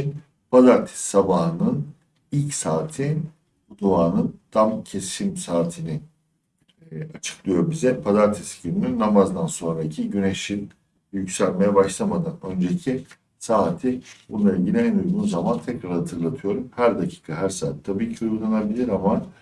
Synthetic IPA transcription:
pʰazaɾt̪ʰi̥sabaɦɯnɯn | ilʲcsaːt̪ʰi | bud̪uaːnɯnd̪̥amcʰe̞simsaːt̪ʰinɪ | at͡ʃʰɯ̥klˠɯjo̞ɾbizɛpʰazaɾt̪ʰisɟʰiɾninamazd̪anso̞nɾaicʰiɟyne̞ʃin | jycsælʲme̞jɛbaʃlˠamad̪anø̞nd͡ʒe̞cʰi | saːt̪ʰibunlˠailɟilʲiɛnuɾunuzamant̪ʰɛcɾaɾhat̪ʰɯɾlˠat̪ʰɯjo̞ɾumhæɾd̪acʰi̥ːkʰaɦæɾsaːt̪ʰːabiːcʰiujullˠanabilʲiɾama

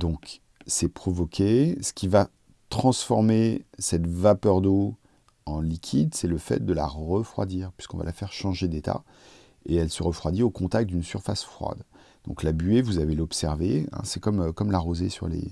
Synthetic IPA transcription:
d̪ɔ̃k | sɛpχɔvɔkʲʰesə̥kʲiva | t̪χɑ̃sfɔʁmesɛt̪vapœʁd̪o | ɑ̃likʲʰid̪sɛləfɛ̰t̪̚d̪əla̰ʁəfχwa̰d̪iʁpɥi̥skɔ̃va̰lafɛʁʃɑ̃ʒed̪et̪a̰ | eɛlsəʁəfχwad̪iokɔ̃t̪ak̚t̪̚d̪ynsyʁfa̰sfχwa̰d̪ | d̪̥ɔ̰̃klabyevuzavelɔpsɛʁveɛ̰̃sɛkɔmkɔmlaʁozesy̰ʁlḛ

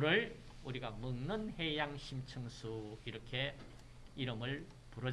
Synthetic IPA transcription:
ɾɯɭ | uɾiɡamɯŋnɯnhe̞jaŋɕʰimt͡ɕʰɯŋsʰuiɾʌkʰe̞ | iɾɯmɯɭ | puɾʌ

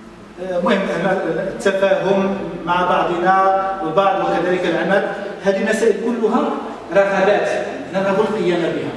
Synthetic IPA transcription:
mʊhəmːæmæt̪ːafæɦʊmːaʕabɑʕd̪ˤnawəbɑʕd̪ˤwəkæd̪æləkəlʕamælhæd̪inːæsæʔəlkʊlːʊɦæ | ɾˤɑħɑɾˤæt̪ | nədˤhæbulqəjːæmabihæ

